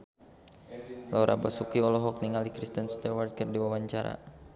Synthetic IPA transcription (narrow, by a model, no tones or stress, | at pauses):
lauɾʔa̰basukiɔlɔɦɔk̚niŋalikɾist̪ənst̪awart̪̚kərdiwawaɲt͡ʃaɾa̰